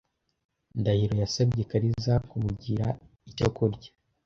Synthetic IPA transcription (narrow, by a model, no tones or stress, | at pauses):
ndahiɾo̞jasabɟekaɾizakumuɟiɾa | icokuɾɟḁ